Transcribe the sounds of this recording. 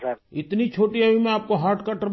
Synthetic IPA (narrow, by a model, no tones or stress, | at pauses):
ɪt̪nit͡ʃʰoːʈiɐimẽaːp̚koɦaːɾʈkaʈəɾ